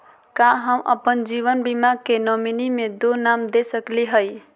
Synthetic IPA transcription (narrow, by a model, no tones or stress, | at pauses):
kãɦəmʔə̰pənd͡ʒiʋənbimaɡkenɔminimed̪onamd̪esəkliɦəj